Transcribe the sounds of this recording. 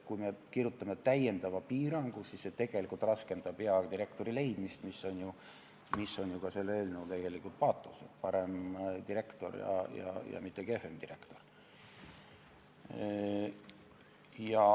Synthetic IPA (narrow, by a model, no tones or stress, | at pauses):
kujme̞kirjut̪ːˑɑme̞t̪æje̞nd̪̥ɑvɑpiːɾɑŋɡ̥usisːe̞t̪e̞ɡ̥e̞likˑult̪rɑske̞nd̪̥ɑb̥eɑt̪iɾe̞kt̪o̞ɾile̞jd̪̥mist̪misːo̞nʲju | misːo̞nʲjukɑse̞lːeːlnuwt̪e̞ɡ̥e̞likult̪pɑːt̪ːˑuset̪pɑɾemt̪iɾe̞kt̪o̞̰rjɑ̰jɑ̰jɑ̰mit̪ːˑe̞ke̞femd̪iɾe̞kt̪o̞r | jɑ